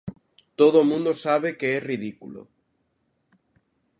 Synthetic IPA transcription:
t̪oðomũnd̪osaβ̞ekeeriðikulo̰

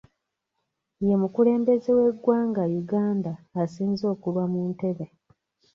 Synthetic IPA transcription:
je̞mukule̞ːmbe̞zewe̞ɡwaːŋɡajuɡaːndaːsiːnzo̞ːkuβamuːnte̞βe

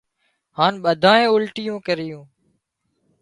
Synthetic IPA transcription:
haːnɓəd̪ʱaːẽːʊlʈɪjõːkəɾɪjũː

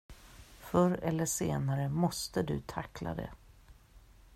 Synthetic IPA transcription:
fœɾɛlːəʂeːnaɾəmɔst̪əd̪ɵ̰t̪ʰakla̰d̪ɛ̰

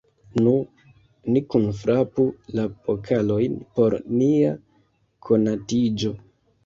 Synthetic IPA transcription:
nu | nikunfɾʔapulapokʰalo̞jnpo̞ɾnia | kʰo̞natid͡ʒo̞

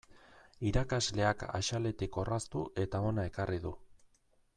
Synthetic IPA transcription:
iɾakazle̞aka̰ʃale̞t̪iko̞rast̪uʔe̞t̪ao̞nae̞kariðu

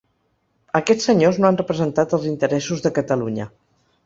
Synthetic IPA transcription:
əkɛt͡ssəɲoznoanrəpɾəzənt̪at̪əlˠzint̪əɾɛsuzðəkət̪əluɲə

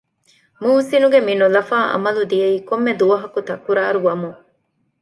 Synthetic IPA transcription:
muːsinuɡeminulɐfaːʔɐ̰mɐlud̪ijɐiːkomːed̪uʋɐɦɐkut̪ɐkuɾaːɾuʋɐmuŋ

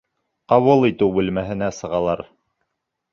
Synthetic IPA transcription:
qɑwɤlˠit̪ɘwbɘ̆lmæɦɘ̆næsɤ̆ʁɑlˠɑɾ

